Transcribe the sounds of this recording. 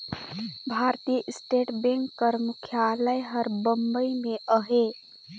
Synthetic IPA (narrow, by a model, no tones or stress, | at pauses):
bʱaːɾt̪ijəʔɪsʈeːʈbẽŋkːəɾmʊkʰjaləjɦəɾbə̃mbəimẽəɦe